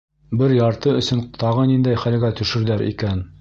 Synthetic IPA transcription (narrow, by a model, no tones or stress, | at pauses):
bɘɾjɑɾt̪ɤɵ̆sɵnt̪ɑʁɤnind̪æjχælɡæt̪ɵ̆ʃɘ̆ɾðæɾʔḭkæn